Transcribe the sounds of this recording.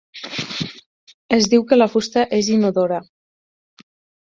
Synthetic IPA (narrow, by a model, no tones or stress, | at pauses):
əzd̪iwkəlafust̪aʔezinuðoɾa